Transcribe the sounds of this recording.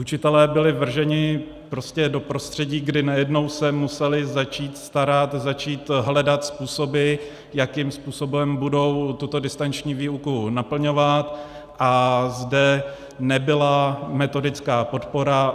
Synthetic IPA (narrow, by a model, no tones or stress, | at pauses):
ʔut͡ʃɪt̪ɛlɛːbɪlɪvr̩ʒɛɲɪ | pɾo̞scɛdo̞pɾo̞st̪r̥ɛɟiːɡdɪnajɛdno̞wsɛmusɛlɪzat͡ʃiːt̪st̪aɾat̪zat͡ʃiːt̪ɦlɛdat̪spuːso̞bɪ | jakimspuːso̞bɛmbudo̞wt̪ut̪o̞dɪst̪ant͡ʃɲiːviːukunapl̩ɲo̞vat̪ | ʔazdɛ | nɛbɪlamɛt̪o̞dɪt͡skaːpo̞t̪po̞ɾa